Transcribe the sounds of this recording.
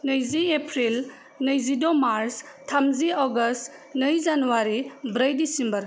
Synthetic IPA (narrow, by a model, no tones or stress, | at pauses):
nəjziepʰɾil | nɯjzidɔmaɾs | tʰːamziɔɡɐst | nɯjzanuwaɾibɾəjdisimbɐɾ